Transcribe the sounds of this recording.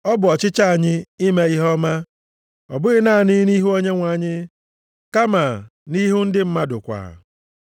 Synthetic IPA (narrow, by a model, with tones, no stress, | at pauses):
ɔ˦bʊ˨ɔ˨t͡ʃɪ˦t͡ʃa˦a˨ɲɪ˦i˦me˦i˦ɦɔ˦ma˦ | ɔ̰˨bʊ˦ɣɪ˦naː˦˨ni˦ni˦ɦu˦o˦ɲe˦ŋʷa˨˦˨ɲɪ˦ | ka˦ma˨ni˦ɦʊ˦n̩˦dɪ˦m̩˦ma˦dʊ̰˨kʷa̰˨